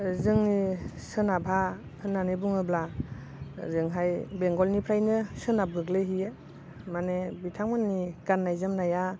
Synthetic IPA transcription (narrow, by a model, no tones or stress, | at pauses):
zɯŋnisɯnabʱa | hɯnːanibuŋɯbla | zɯŋɦajbeŋɡɔlnipʰɾajnɯsɯnab̚ɡɯɡleɦije | manebitʰaŋmɯnːiɡ̥anːajzɯmnaja